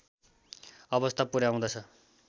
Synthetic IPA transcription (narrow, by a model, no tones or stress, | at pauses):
ʌbʌst̪ʰapuɾaũd̪ʌt͡sʰʌ